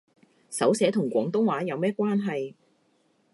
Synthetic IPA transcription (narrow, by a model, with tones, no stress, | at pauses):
sɐ˨˥wsɛː˨˥t̪ʰʊ˨˩ŋkʷɔː˨˥ŋt̪ʊ˥ŋwaː˨˥jɐ˨˧wmɛː˥kʷaː˥nɦɐ˨j